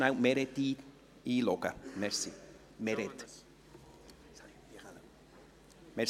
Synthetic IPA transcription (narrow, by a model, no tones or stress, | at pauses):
nawmeɾet̪iː | ilokamɛɾsi | meɾet̪ | mɛ